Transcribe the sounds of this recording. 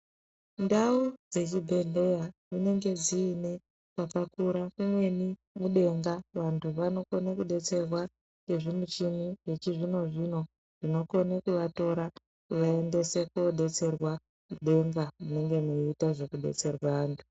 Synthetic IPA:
ndaud͡ze̞t͡ʃibʱe̞ɮe̞jamine̞ŋɡe̞d͡ziːne̞ | kapakuɾakumwe̞ni | muɗe̞ŋɡaʋantʰuʋano̞ko̞nekuɗe̞t͡se̞rwa | neʐimut͡ʃimijet͡ʃiʐino̞ʐino̞ | ʐ̥ino̞ko̞nekuʋato̞ɾa | ʋae̞nde̞se̞koɗe̞t͡se̞rwa | muɗe̞ŋɡamune̞ŋɡe̞muitaʐo̞kuɗe̞̰t͡se̞rwaʋaːntʰu̥

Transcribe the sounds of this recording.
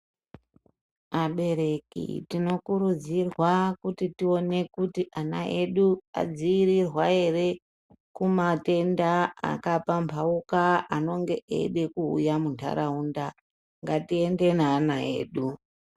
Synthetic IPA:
aɓe̞ɾe̞kḭtino̞kuɾud͡zirwakutitio̞ne̞kutiʔanaʔe̞ɗua̰d͡ziirirwae̞re̞ | kumate̞ndaa̰kapampʰaukaano̞ŋɡe̞ʔḛɗe̞kṵːjamuntʰa̰ɾauːnda | ŋɡatie̞nde̞naːnae̞̰ːɗu

